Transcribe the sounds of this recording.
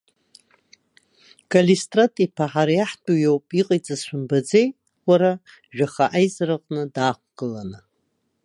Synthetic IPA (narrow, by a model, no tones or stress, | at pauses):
kʼalistʼratʼipʰaħaɾajaħtʷʼujowpʼiqʼajt͡sʼazʃʷʊmbad͡zej | waɾa | ʒᶣaχaʔajzaɾaqʼnɨdaːχʷʰɡ̥ɨlanɨ